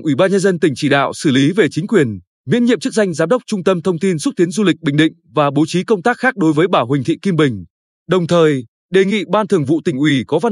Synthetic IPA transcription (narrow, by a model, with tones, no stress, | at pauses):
ŋʔwi˧˩ɓaː˧nɲə˧nzə˧nt̪ï˨˩ŋ̟t͡ɕi˧˩ɗa̰ː˧˨wsɨ˧˩li˨˦ve˨˩t͡ɕï˨˦ŋ̟kwi˨˩ən | ŋḭ˧˥nɲḭ˧˨əmt͡ɕɨ˦˥k̚za˧jŋ̟zaː˨˦mɗə˦˥k͡p̚t͡ɕʊ˧ŋ͡mt̪ə˧mt̪ʰə˧wŋ͡mt̪i˧nsʊ˦˥t̪i˨˦ənzu˧lï˨˩k̟̚ɓï˧˨ŋ̟ɗḭ̈˧˨ŋ̟vaː˨˩ɓo˨˦t͡ɕi˨˦kə˧wŋ͡mt̪aː˦˥k̚xaː˦˥k̚ɗo˨˦jvəː˨˦jɓaː˧˩wɦï˨˩ŋ̟t̪ʰḭ˧˨ki˧mɓï˨˩ŋ̟ | ɗə˨˩wŋ͡mt̪ʰəː˨˩j | ɗe˨˩ŋḭ˧˨ɓaː˧nt̪ʰɨ˨˩əŋvṵ˧˨t̪ï˧˩ŋ̟ʔwi˨˧˩kɔ˨˦va˧